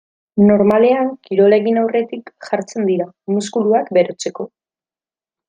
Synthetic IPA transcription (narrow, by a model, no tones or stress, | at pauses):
no̞ɾmale̞aŋkiɾo̞le̞ɣinawre̞t̪ikʝaɾt͡se̞nd̪iɾa | muskuluakbe̞ɾo̞t͡se̞ko̞